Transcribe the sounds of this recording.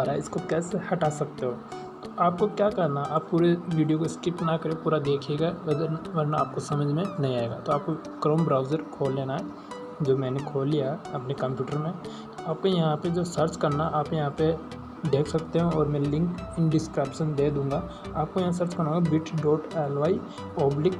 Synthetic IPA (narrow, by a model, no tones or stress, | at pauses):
aɾaɪskokɛːsehɐʈaːsɐk̚t̪eɦoː | t̪oʔaːp̚kokjaːkɛɾnaʔaːpːuːɾeʋiːɖijokoskɪpnakɐɾẽpuːɾad̪eːkʰeːɡaʋɐd̪əʋɐɾnaaːp̚kosɐməd͡ʒʱmẽnɐɦĩaːeːɡa̰ːt̪oaːp̚ko | kɾoːmbɾaːʊzəɾkʰoːlːeːnaɦɛ | d͡ʒoːmɛ̃ːnekʰoːlːijaɐpnekɐ̃mpjuːʈəɾmẽ | aːp̚kojɐɦãped͡ʒoːsɐɾt͡ʃkɐɾnaʔaːpjɐɦãpe | d̪eːkʰsɐk̚t̪eɦũɔːɾmɛ̃lɪ̃ŋkɪ̃nɖɪskɾɛːpʃənd̪eːd̪ũːŋɡa | aːp̚kojɐɦãs̬ɐɾt͡ʃkɐɾnũːɡabɪʈɖɔːɾʈɛːlʋaːi | ɔːblɪk